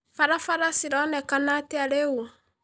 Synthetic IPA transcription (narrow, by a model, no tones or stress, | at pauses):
faɾafaɾasiɾɔnɛkanateaɾeu